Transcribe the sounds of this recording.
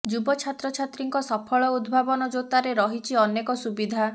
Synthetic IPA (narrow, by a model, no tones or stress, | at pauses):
d͡ʒubɔt͡ʃʰat̪ɾɔt͡ʃʰat̪ɾiŋkɔsɔpʰɔɭɔud̪bʱabɔnɔd͡ʒot̪aɾeɾɔɦit͡ʃʰiɔnekɔsubid̪ʱa